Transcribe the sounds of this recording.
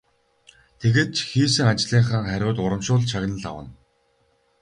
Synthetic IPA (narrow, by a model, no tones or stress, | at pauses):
t̪ʰeɣeːt̪̚t͡ɕʰxiːs̬ɘ̆ŋat͡ɕɮiːŋχaːŋχæɾʲʊːt̪ʊɾə̆mʃʊːɮt͡ɕʰaɣnə̆ɮa̰wə̆n